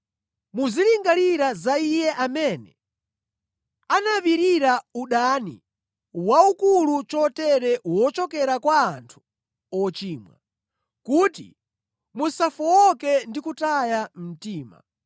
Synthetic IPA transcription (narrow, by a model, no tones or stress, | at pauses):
muziliŋɡaliɾazaijɛʔamɛnɛ | anaβiɾiɾauɗani | waukulut͡ʃɔtɛɾɛwɔt͡ʃɔkɛɾakwaːntʰu̥ | ɔt͡ʃiːmwa̰ | kuːtḭ | musafɔwɔkɛndikutajam̩tiːma̰